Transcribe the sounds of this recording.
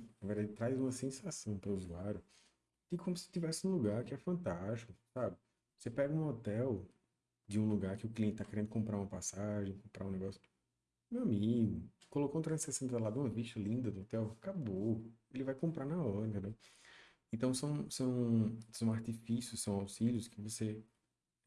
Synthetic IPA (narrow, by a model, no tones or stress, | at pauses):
nɐveɾd̪ad͡ʒɪt̪ɾajzũmɐsẽsasɐ̃w̃pɾɐuzuaɾjʊ | kɪkʰõmʊsɪ̥t̪ivɛsɪũluɡaɾkɪɛfɐ̃nt̪aʃʃtt͡ʃi̥kʊsabɪ | osepɛɡɐũɔt̪ɛw | d͡ʒɪũluɡaɾkɪʊkliẽnt͡ʃɪt̪akeɾẽnd̪ʊkõmpɾaɾũmɐpasaʒẽj̃kõmpɾa̰ũnɛɡɔsjʊ̥ | mewamiɡʊkolokoũt̪ɾɐ̃sesẽalad̪ũmɐviʃt̪ɐlĩnd̪ɐd̪ʊɔt̪ɛwkaboelɪvajkõmpɾaɾnaɔɾɐ̃t̪ẽnd̪ew | ẽt̪ɐ̃w̃sɐ̃w̃sɐ̃w̃sɐ̃w̃aɾt̪ifisjʊssɐ̃w̃awsiljʊskɪvose